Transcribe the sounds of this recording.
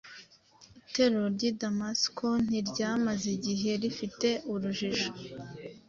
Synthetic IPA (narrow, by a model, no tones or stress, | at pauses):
ite̞ɾoɾɟidamaskʰon̥iɾɟaːmaziɟiɦe̞ɾifite̞ʔuɾuʒiʒo̥